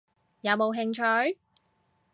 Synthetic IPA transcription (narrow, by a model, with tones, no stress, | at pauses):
jɐ˨˧wmo˨˧wɦɪ˧ŋt͡ʃʰœ˧˥ɥ